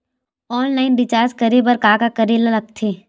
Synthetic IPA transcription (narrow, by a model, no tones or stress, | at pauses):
ɔːnlaːɪnɖɪt͡ʃaːɾskɐɾebɐɾkaːkakɐɾeːlalɐk̚t̪ʰeː